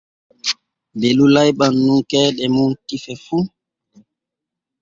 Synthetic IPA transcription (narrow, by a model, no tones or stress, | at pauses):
belulajɓanːuŋkɛːɗɛmuntifɛfu